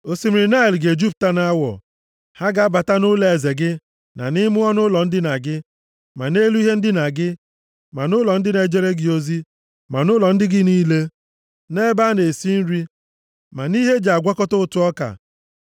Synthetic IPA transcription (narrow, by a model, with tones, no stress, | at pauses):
o˨si˨m˨ɾɪ˨na˦i˨lɡe˨d͡ʒu˦p̚ta˦na˦wɔ̰˨ | ha˦ɡa˨a˦ba˨ta˦nʊ˦le˨e˨ze˨ɡɪ˦ | na̰˨nɪ˦mʊ˦ɔ˦nʊ˦lɔ˨n̩˦dɪ˦na˨ɡɪ˦ | ma˨ne˦lu˦i˦ɦe˦n̩˦dɪ˦na˨ɡɪ˦ | ma˨nʊ˦lɔ˨n̩˦dɪ˦ne˨d͡ʒe˦ɾe˦ɡɪ˨o˦zi˦ | ma˨nʊ˦lɔ˨n̩˦dɪ˦ɡɪ˦niː˦le˦ | ne˦ba˦ne˨si˦n̩˦ɾi˦ | ma˨ni˦ɦe˦d͡ʒa˨a˨ɡʷa˦kɔ˦tʊ˦ʊ˦˨tʊ˦ɔ˦ka̰˨